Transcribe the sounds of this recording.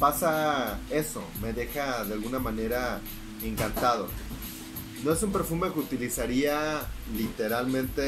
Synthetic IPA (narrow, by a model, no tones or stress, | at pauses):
pasae̞so̞̰me̞ðe̞xaðealɣunamãne̞ɾa | eŋkant̪að̞o̰ | no̞e̞sumpe̞ɾfumekeut̪ilisaɾialit̪e̞ɾalmẽnt̪e